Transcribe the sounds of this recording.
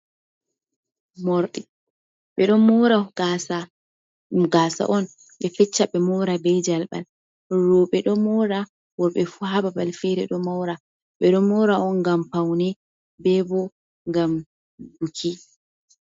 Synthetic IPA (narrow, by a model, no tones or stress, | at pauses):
mɔɾɗɛ | ɓɛɗɔmɔɾaɡaa | ɡasa̰ʔɔn | ɓɛfɛt͡ʃːaɓɛmɔɾabɛd͡ʒalba̰l | ɾɔɓɛɗɔmɔɾa | wɔɓɛfuɦababalfɛɾɛɗɔmɔwɾa | ɓɛɗɔmɔɾaɔnɡampawnɛ | bɛbɔ | ŋɡam | dukʰi